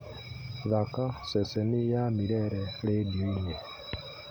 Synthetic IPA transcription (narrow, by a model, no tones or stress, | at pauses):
ðakasɛsɛnijamiɾɛɾɛledinɛ